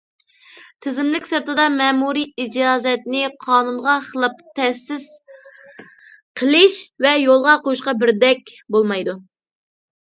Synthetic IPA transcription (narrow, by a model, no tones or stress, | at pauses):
t̪ʰɪzɪmlɪkʲsɨɾt̪ɨd̪ɑmɛːmuɾiid͡ʒɑːzɛt̪nɪqʰɑːnunʁɑχəlˠɨp̚t̪ʰɛsːɪz̥ | qʰəlˠɪʃvɛjolˠʁɑqojuʃ̬qɑbɪɾd̪ɛk̚ʲbolˠmɑjd̪u